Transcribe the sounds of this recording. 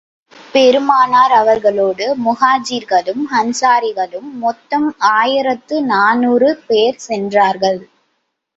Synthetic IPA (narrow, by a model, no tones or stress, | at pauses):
pɛɾɯmaːnaːɾɐʋɐɾɣɐɭoːɽɯmʊɣaːd͡ʒiːɾɣɐɭɯmhɐnsaːɾɪɣɐɭɯmːɔt̪ːɐmaːjɪɾɐt̪ːɯnaːnuːrɯpeːɾsɛndraːɾɣɐɭ